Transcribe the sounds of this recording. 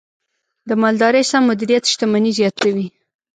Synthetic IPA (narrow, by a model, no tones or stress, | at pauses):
d̪əmɑld̪ɑɾəjsamːʊd̪iɾijat̪ʃt̪amanizjɑt̪awi